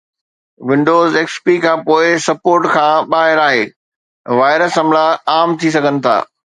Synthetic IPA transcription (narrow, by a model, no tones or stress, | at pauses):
ʋɪ̃ɳɖoːzeːkspikʰãːpoːɪsɐpoːɾʈkʰãːɓaːɦɪɾaːɦeː | ʋaːɪɾəsɦɐ̃mlaaːmt̪ʰis̬ɐɡʱənɪ̆t̪ʰa̰ː